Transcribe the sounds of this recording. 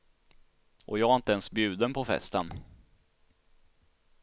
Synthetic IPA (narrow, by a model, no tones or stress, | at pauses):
ʔɔ̰jɑːɡæɾɪnt̪əɛnsbjʉ̟ːd̪ənpʰɔfɛ̰st̪ən